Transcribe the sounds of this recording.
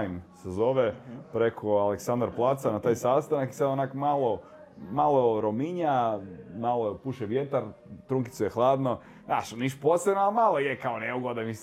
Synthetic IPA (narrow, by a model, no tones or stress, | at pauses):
jmsezoʋepɾekʰoaleksand̪ɾplˠat̪sanat̪aːjsast̪anaki̥sad̪onakomalˠo | malˠoɾomiɲamaloepuʃeʋje̞t̪aɾt̪ɾuŋki̥t̪sujexlˠaːd̪no | naʃniʃposɾebnoalmalˠojekaoneuɡod̪amis